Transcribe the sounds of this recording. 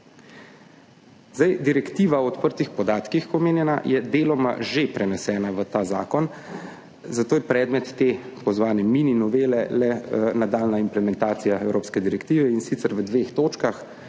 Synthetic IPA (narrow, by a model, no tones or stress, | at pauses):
z̥ajd̪iɾɛkt̪iːʋaɔɔt̪pəɾt̪ixpɔd̪aːt̪kixpɔmeːnjɛna̰jɛd̪eːlɔma̰ʒepɾɛnɛsɛːnaʋət̪aːza̰ːkɔn | zat̪oːjɛpɾɛːd̪mɛt̪ːepɔzʋaːnɛmininɔʋeːlɛlɛnad̪aːlnaimplɛmɛnt̪aːt̪sijaɛwɾoːpskɛd̪iɾɛkt̪iːʋɛinsit̪səɾʋəd̪ʋeːxt̪oːt͡ʃkax